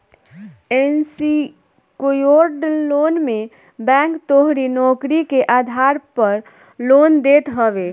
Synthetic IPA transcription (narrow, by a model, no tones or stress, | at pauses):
ensi | kojoɾɖloːnme | bɛ̃ːŋkt̪oɦɾinɔːkɾikeʔaːd̪ʱaɾpəɾ | loːnd̪eːt̪ɦəʋe